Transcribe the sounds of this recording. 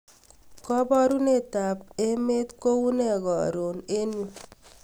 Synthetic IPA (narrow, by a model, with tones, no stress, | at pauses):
kɔ˦bɔ˦ɾu˦ne˦˨ta˨pe˦me˦t̪ko˦wu˦ne˦˨ɡɔ˨ɾo˨ne˦nu˨